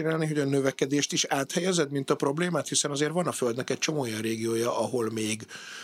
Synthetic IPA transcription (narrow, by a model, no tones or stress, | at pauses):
inaːlniɦo̞ɟɒnø̞vɛkɛd̪eːʃt̪iʃaːt̪hɛjɛzɛd̪mint̪ɒpro̞bleːmaːt̪hisɛnɒzeːrʋvɒnɒføld̪nɛkɛc̚t͡ʃo̞moːjɒnreːɡijoːjɒʔɒɦo̞lmeːɡ